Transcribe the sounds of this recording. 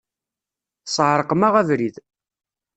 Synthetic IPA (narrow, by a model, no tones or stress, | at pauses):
sˤʕɾˤəqmæʁævɾið